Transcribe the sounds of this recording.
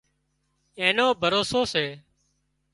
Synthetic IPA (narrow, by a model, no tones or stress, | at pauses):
ẽːnoːbʱəɾoːsoːseː